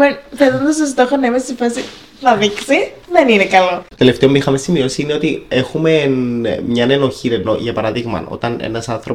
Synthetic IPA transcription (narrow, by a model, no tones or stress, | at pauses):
mefeðond̪ɐs̬t̪os̬t̪o̞xonːɐimest̪ifɐsi | nɐðiksi | ðeninekɐlo̞o̥t̪e̞le̞ft̪e̞o̞mixɐmesimio̞siine̞o̞t̪ie̞xume̞nmɲɐneno̞çinenoʝɐpɐɾɐðiɣmɐ̰o̰t̪ɐnḛnɐsɐnθɾop